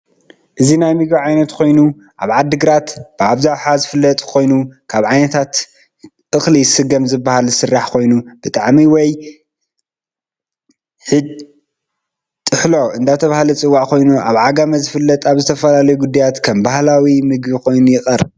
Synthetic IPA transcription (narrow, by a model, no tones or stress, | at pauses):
ʔɨzinajmɨɡbiʕajnɐt̪kʰo̞jnu | ʔaβʕad̪ːɨɡɾat̪b̥ɨaβzawħazɨfɨlːɐt̪ʼkʰo̞jnukʰaβʕajnɐt̪ʰat̪ | ɨxlisɨɡɐmzɨbːahalzɨsɨrːaħkʰo̞jnub̥ɨt̪ʼaʕmiwɔj | ħɨd͡ʒ | t̪ʼɨħlo̞ʔɨnd̪at̪ʰɐβahalɐt͡sʼɨwːaʔkʰo̞jnuʔa̰βʕaɡamɐzɨfɨlːɐt̪ʼaβzɨt̪ʰɐfɐlalɐjuɡud̪ajat̪kʰɐmbahlawimɨɡbikʰo̞jnujɪxʼɐɾ